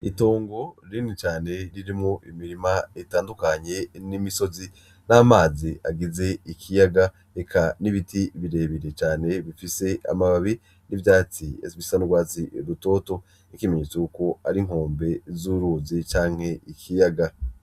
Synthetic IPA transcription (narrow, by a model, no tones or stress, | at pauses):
ito̞ːŋɡo̞ɾinit͡ʃaːne̞ɾiɾimŋoʔimiɾimaetaːndukaɲe̞nimiso̞zi | naːmaːziaɡize̞ikʰijaɡa | ɾekʰaniβitiβiɾe̞ːβiɾe̞t͡ʃaːne̞βifise̞a̰maβaβi | nivjaːt͡siḛzβisanuɡwaːziɾuto̞ːto̞ | ikimeɲeːt͡sekuko̞aɾiŋ̥o̞ːmbe̞zuɾuːzit͡ʃaːŋ̥he̞ikʰijaɡa